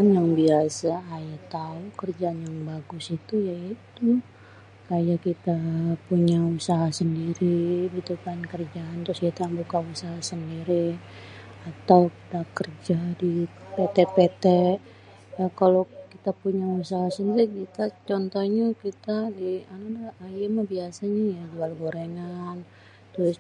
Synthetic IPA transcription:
njaŋbiasaːjat̪aukərd͡ʒaːnjaŋbaɡʊsit̪ujait̪u | kajakit̪apuɲausaɦasəndiɾibit̪ukankərd͡ʒaːnt̪ɾʊskit̪abukausaɦasəndiɾi | at̪awki̥t̪akərd͡ʒadipet̪ɛpet̪ɛ | jakalokit̪apuɲausaɦasəndiɾikit̪at͡ʃɔnt̪oɲakit̪adianadaajɪmabiasaɲajad͡ʒualɡoɾeŋan | t̪ɾʊs

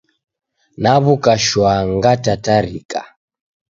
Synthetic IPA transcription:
naβukaʃwaŋɡatataɾika

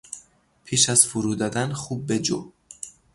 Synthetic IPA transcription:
pʰiːʃæz̥fuɾuːd̪ɒːd̪ænxuːb̚ːed͡ʒo

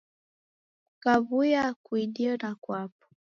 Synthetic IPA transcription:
kavujakwiɗiɔnakwapɔ̥

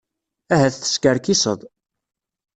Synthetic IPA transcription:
æɦæθθə̥skəɾkisəðˤ

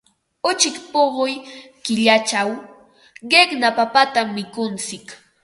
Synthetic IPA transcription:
ʊt͡ʃɪkpoɢojkɪʎat͡ʃaw | ɢeχnapapat̪amːɪkʊnt͡sɪk

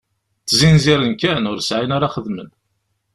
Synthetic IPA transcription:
t͡sːzinziɾənkænʊɾsʕinaɾaχəðmən

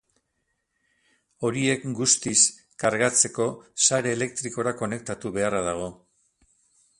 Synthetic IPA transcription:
o̞ɾie̞kɡust̪is | kaɾɣat͡se̞ko̞saɾe̞ːle̞kt̪ɾiko̞ɾako̞ne̞k̚t̪at̪uβe̞araðaɣ̞o̞

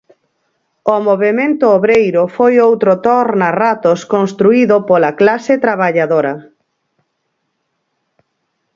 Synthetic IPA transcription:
omoβ̞emẽnt̪ʊoβɾejɾʊfojowt̪ɾot̪ɔɾnarat̪oskonst̪ɾuiðopolɐklaset̪ɾaβaʎaðoɾɐ

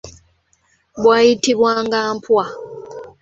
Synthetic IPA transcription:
bwaitiβwaŋɡampwa

